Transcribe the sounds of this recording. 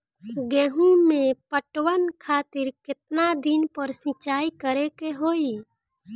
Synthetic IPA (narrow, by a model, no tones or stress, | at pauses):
ɡɛːɦũmẽpəʈwənkʰaːt̪ɪɾkɪt̪̚nad̪ɪnpəɾsɪ̃t͡ʃaːikəɾekeɦoːi